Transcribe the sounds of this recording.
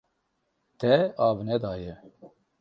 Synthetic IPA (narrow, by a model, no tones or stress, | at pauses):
t̪ɛɑːvnɛd̪ɑːjɛ